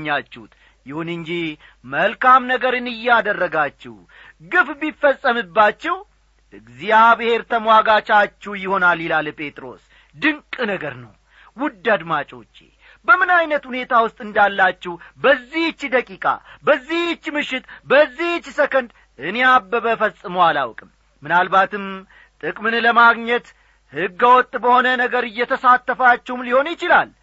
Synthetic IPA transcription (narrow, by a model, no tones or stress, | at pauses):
ɲːat͡ʃːɛut̪ | jɪhunɨɲd͡ʒi | məlkamnəɡəɾɨnɨjːɛad̪ərːəɡat͡ʃːɛ̰w | ɡɨfbifːəsʼːəmɨbːat͡ʃːɛh | ɨɡzijaβɨhe̞ɾt̪ʰəmwaɡat͡ʃʼat͡ʃːɛwjɪho̞nalːilalpʼʰe̞t̪ʼɾo̞̰s | d̪ɨŋkʼɨnəɡəɾnə̰w | wʊd̪ːad̪mat͡ʃʼo̞̰t͡ʃːḛ | bəmɨnajnət̪hune̞t̪ʰawʊst̪ʼɨnd̪alːat͡ʃːɛhbəzːiht͡ʃːd̪əkʼikʼa̰bəzːiht͡ʃːmɨʃɪt̪bəzːiht͡ʃːsəkənd̪ | ɨnejabːəbəfəsʼːɨməwala̰wkʼɨm | mɨnalbat̪ɨm | t̪ʼɨkʼmɨnləmaɡɲət̪ | hɨɡːəwɔt̪ʼːbəho̞nənəɡəɾɨjːɛt̪ʰəsat̪ːəfat͡ʃːɛhumliho̞njɪt͡ʃɪlal